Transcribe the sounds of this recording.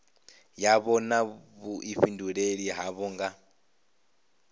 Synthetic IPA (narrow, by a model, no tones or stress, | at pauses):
jaβɔnaβuʔiɸinduɺeɺiɦaβɔŋɡa